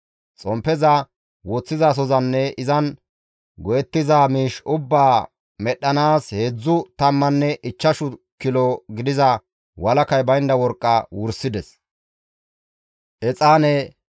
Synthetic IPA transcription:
t͡sʼɔmpːɛzɐ | wot͡sːɪzas̬ɔzɐnːɛɪzɐn | ɡɔjɛt̪ːɪzaːmiːʃʊbːaː | mɛɗːɐnaːsheːd͡zːʊt̪ɐmːɐnːɛʔɪt͡ʃːɐʃʊ | kːɪlɔɡɪd̪ɪzɐ | wɐlɐkɐjbɐjnd̪ɐwɔɾkʼːɐwʊɾsɪd̪ɛs | ʔɛt͡sʼaːnɛ

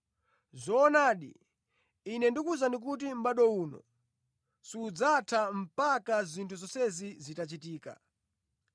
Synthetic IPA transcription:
zɔːnaːɗḭː | nɛndikuzanik̬ut̬im̩ɓaɗɔuːnɔ̰ | siːd͡zatʰam̩pakazintʰuzɔsɛzizitat͡ʃitiːka̰

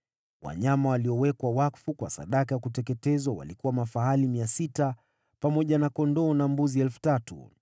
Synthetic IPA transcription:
wa̰ɲamawaliɔwɛkwawakfukwa̰sa̰ɗakajakutɛkɛtɛzwawa̰likuwamafaɦalimiasita | pamɔʄanakɔndɔːnambuziɛlfu̥tatṵ

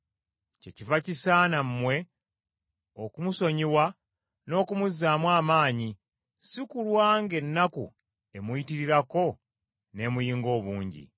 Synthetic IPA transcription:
ce̞̰civacisaːnammwe̞ | okumuso̞ɲiwa | no̞ːkumuzːaːmwaːmaːɲi | sikulwaːŋɡe̞nːakṵ | e̞mujitiɾiɾako̞ | ne̞mujiːŋɡo̞ːβuːɲɟḭ

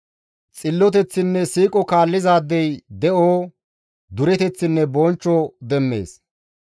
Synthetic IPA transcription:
t͡sʼɪlːɔt̪̬ɛt͡sːɪnːɛsiːkʼɔkaːlːɪzaːd̪ːɛjd̪ɛʔoː | d̪ʊɾɛt̪ɛt͡sːɪnːɛbɔnt͡ʃːɔd̪ɛmːe̞̰ːs

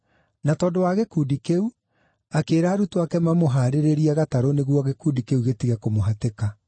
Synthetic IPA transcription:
natɔːdowaɣekuːdikeu | akeːɾaːɾutoakɛmamoɦaːɾeɾeɾiaɣataɾoneɣwɔɣekuːdikeuɣetiɣɛkomoɦateka

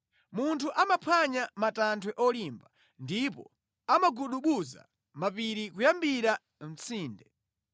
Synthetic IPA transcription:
muntʰuʔamapʰwaɲamatantʰwɛʔɔlimba | ndipɔ̰ | amaɡuɗuɓuza̰ | mapiɾikujambiɾa | m̩t͡sʰiːndɛ

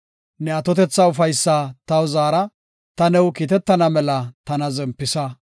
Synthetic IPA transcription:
nɛɐt̪ɔt̪ɛt͡sːɐʊfɐjsːat̪ɐwzaːɾɐ | t̪ɐnɛwkiːt̪ɛt̪ːɐnɐmɛlɐt̪ɐnɐzɛmpːɪsɐ

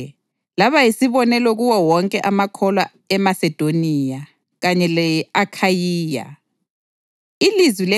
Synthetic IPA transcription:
laβajisiβɔnɛlɔɣuwɔwɔŋkʼɛʔamakʰɔlwa | ɛmasɛd̥ʱonija | ɣaɲɛlɛakʰajiːja̰ | ilizwilɛ

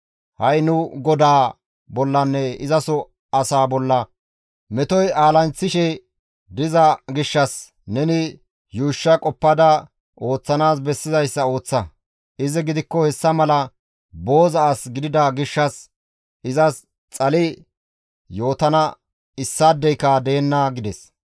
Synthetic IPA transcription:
hɐjnʊɡɔd̪aː | bɔlːɐnːɛɪzɐsɔ | ɐsaːbɔlːɐ | mɛt̪ɔjaːlɐnt͡sːɪʃɛ | d̪ɪzɐɡɪʃːɐs | nɛnɪ | juːʃːɐkʼɔpːɐd̪ɐ | o̞ːt͡sːɐnaːsbɛsːɪzɐjsːɐo̞ːt͡sːɐ | ɪzɪɡɪd̪ɪkːɔhɛsːɐmɐlɐ | bo̞ːzɐasɡɪd̪ɪd̪ɐɡɪʃːɐs | ɪzɐs | t͡sʼɐlɪ | jo̞ːt̪ɐnɐ | ɪsːad̪ːɛjkad̪eːnːɐɡɪd̪ɛs

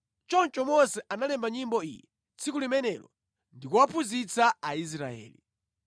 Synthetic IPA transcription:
t͡ʃɔnt͡ʃɔmɔsɛʔanalɛmbaɲimbɔijɛ | t͡sʰikulimɛnɛlɔ | ndikuwapʰuzit͡saais̬ɾaɛ̰ːli

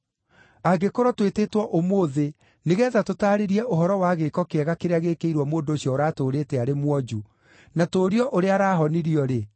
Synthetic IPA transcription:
aɡekoɾɔtwetetwɔʔomoːðe | neɣɛːðatotaːɾeɾiɛʔoɦɔɾɔwaɣekɔkeɛɣakeɾeaɣekeiɾwɔmoːndoːɕjɔːɾaːtoːɾeːtɛaɾemwɔd͡ʒu | natoːɾiɔʔoɾeaɾaːɦɔniɾiɔɾe

